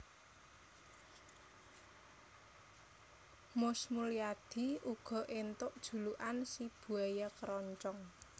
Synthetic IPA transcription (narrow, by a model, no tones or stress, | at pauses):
mʊsmuliad̪̥i̤ʔuɡ̥ɔ̤ʔent̪ʊʔd̥ʒ̥ṳluʔansib̥ṳɛjakəɾɔɲt͡ʃɔŋ